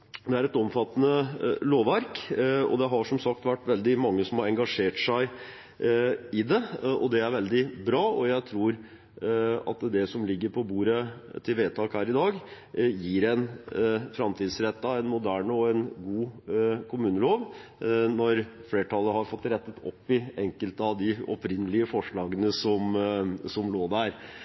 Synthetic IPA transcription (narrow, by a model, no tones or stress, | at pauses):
d̪ɛæɾɛt̪ɔmfɑt̪ːənəloːʋæɾkɔ̰d̪ɛɦɑʂɔmsɑk̚t̪ʋæʈːʋɛld̪ɪmɑŋːəsɔmhɑɾɛŋɡɑʂeːʈʂæɪ | ɪd̪ɛɔd̪ɛæɾʋɛld̪ɪbɾɑːɔjæɪt̪ʰɾuːɾ | ɑ̰t̪d̪ɛsɔmlɪɡːəɾpʰɔbuːɾət̪ʰɪlʋeːt̪ʰɑːkhæːɾɪd̪ɑːɡ | jiːɾɛnfɾɑmt̪ʰiːd̪sɾɛt̪ːɑɛnmʊd̪æːɳəɔɛnɡuːkʰʊmʉːnəloːʋnɔɾfleːʈʰɑlːəhɑɾfɔt̪ːɾɛt̪ːət̪ʰɔ̰pːɪɛŋkəlt̪əɑʋd̪ɪɔ̰pɾɪnːəlɪəfɔʂɭɑːɡənəsɔmsɔmloːd̪æɾ